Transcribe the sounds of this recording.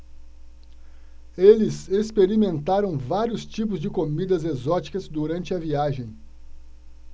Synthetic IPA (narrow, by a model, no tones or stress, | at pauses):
elɪsespeɾimẽnt̪aɾɐ̃w̃vaɾiʊst͡ʃip̬ʊzd͡ʒɪkomid̪ɐzezɔt͡ʃi̥kɐzd̪uɾɐ̃nt͡ʃɪɐviaʒẽj̃